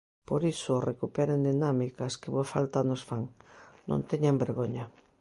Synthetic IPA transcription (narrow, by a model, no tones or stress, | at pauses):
poɾisorekupeɾend̪inamikaskeβoafalt̪anosfaŋnõ̰nt̪eɲambeɾɣoɲa